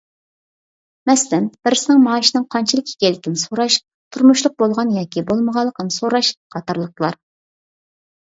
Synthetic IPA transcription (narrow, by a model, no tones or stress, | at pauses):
mɛslɪmb̥ɪɾɪsɪnɪŋmɑːʃinɨŋqʰɑnt͡ʃʰɪlˠɪkʲʰːi̥kʲelɪt̪ʲɪnɪsoɾɑʃ | t̪ʰuɾmuʃlˠʊq̚bolˠʁɑnjɑːkʲibolˠməʁɑlˠːəqənɨsoɾɑʃqʰɑt̪ɑɾlˠəq̚t̪əlˠɑ̰ɾ